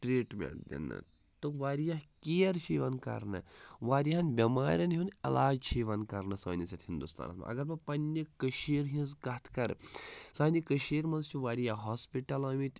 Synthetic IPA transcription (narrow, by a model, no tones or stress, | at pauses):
ʈɾiːʈmʲḛʈd̪ḛnːɨ̰ | t̪ɨʋaːɾjaɦkiɐɾt͡ʃʰiːʋɐnkɐ̰ɾnɨ̰ʋaːɾʲjɦɐnbʲɐmaːɾʲɐnɦunɐlaːd͡ʒt͡ʃʰiːʋɐnkɐɾnɨsɐːnʲisɐt̪hind̪ust̪a̰ːnɐ̰t̪mɐ̰ɐ̰ɡɐɾpɐpɐnʲːɐkəʃiːɾɦĩzkɐt̪ʰkɐɾsaːnikəʃiːɾmɐnzt͡ʃʰiʋaːɾijaɦoːspiʈɐlɐːmit̪ʲ